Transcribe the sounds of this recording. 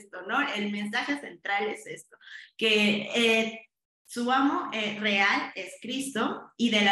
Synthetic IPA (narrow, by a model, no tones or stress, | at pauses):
st̪ono̞elmẽ̞nsaxe̞se̞nt̪ɾale̞se̞st̪o̞kee | suamo̞ʔerealeskɾist̪o̞iðe̞la